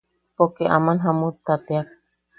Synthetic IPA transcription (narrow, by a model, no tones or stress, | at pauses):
pokeʔamanɦamut̪ːat̪eak̚